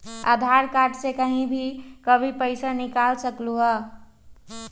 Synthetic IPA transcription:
a̰d̪ʱaɾkaʈsekəɦĩbʱikəbʱipəɪsanikalsəkluə

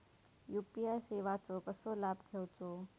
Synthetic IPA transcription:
juːpijajseːʋat͡ʃoːkəsolaːbt̪ʰewt͡ʃoː

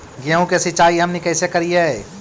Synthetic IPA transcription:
ɡeũkesɪt͡ʃaːiɦɐmnekɛːsekɐɾiaɦɛ

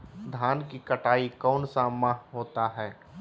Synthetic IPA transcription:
d̪ʱaːnkikɐʈaːikɔːnsaːmːaɦoːt̪aɦɛː

